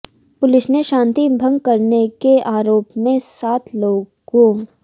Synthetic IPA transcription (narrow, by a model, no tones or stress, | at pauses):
pʊlɪsneʃãːnt̪ibʱɐ̃ŋɡ̚kɐɾnekeʔaːɾoːpmẽsaːt̪ʰloːɡõ